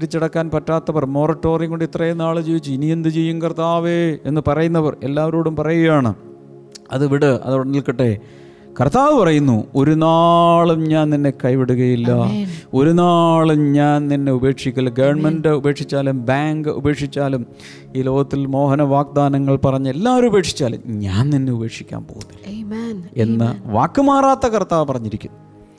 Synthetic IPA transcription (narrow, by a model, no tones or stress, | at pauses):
ɾit͡ɕːiɽɐkːaːnpɐtːaːt̪ːɐpɐrmo̞ːrɐʈːo̞ːriŋɡuɳɖit̪rɐjenːaːɭɨd͡ʑiːʋit͡ɕːɨinijend̪ɨt͡ɕejːumkɐrt̪aːʋeenːɨpɐrɐjunːɐpɐre̞lːaːʋɐɾoːɽumpɐrɐjijaːɳɨ̰ | ɐðɨʋiɽɨɐ̰ðɐʋɽɐnilkiʈːe̞ | kɐrt̪aːʋɨpɐrɐjunːuo̞ɾunaːɭumɲaːnninːe̞kɐjʋiɽuɣɐjilːɐo̞ɾunaːɭumɲaːnninːe̞ube̞ːkʂikʲːɐlɡɐʋɐɳmendɨube̞ːkʂit͡ɕːaːlumbaːŋɡɨʔṵbe̞ːkʂit͡ɕːaːlum | iːlo̞ːɣɐt̪ːilmo̞ːɦɐnɐʋaːɡ̚d̪aːnɐŋːɐɭpɐrɐɲːɐelːaːʋoɾube̞ːkʂi̥t͡ɕːaːlṵmɲaːnninːe̞ube̞ːkʂikʲːa̰ːnpoːnil | e̞nːɐʋaːkːɨmaːraːt̪ːɐkɐrt̪ːaːʋpɐrɐɲːiɾikʲːunːɐ